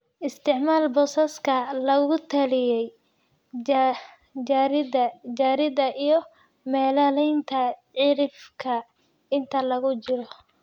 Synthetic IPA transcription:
ʔɪst̪ʰɪʕmaːlbɔːsɐskʰɐlɐɣʊt̪ʰɐlɪjɛj | ɾdɐd͡ʒaːɾɪðɐʔijɞ | mɛːlɐlɛjnt̪ʰɐʕɪɾɪfkʰɐ | ɪnt̪ʰɐlɐɣʊt͡ʃɪɾɔ

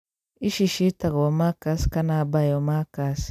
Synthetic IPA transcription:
iʃiʃitaɡomakaskanabajomakas

